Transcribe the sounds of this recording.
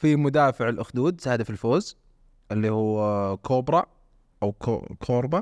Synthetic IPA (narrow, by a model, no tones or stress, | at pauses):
fimʊd̪aːfɪʕalʔʊxd̪uːd̪saːd̪afilfoːz | ʔɪlːihuːkʰoːbɾˤɑ | ʔawko̰kʰoːɾˤba